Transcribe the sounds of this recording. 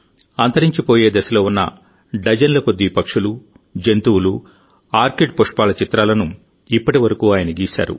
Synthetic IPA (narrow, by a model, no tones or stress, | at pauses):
ɐnt̪ɐɾiɲt͡ʃipo̞ːje̞ːd̪ɐsɐloːunːɐ̰ | ɖɐd͡ʒɐnlɐkod̪ːipɐkʂulu | d͡ʒent̪uwulu | aːɾkiʈ̚poʂpaːlɐt͡ʃit̪ɾaːlɐnu | ipːɐʈiʋɐɾɐkuːaːjɐnɐɡiːsa̰ːɾṵ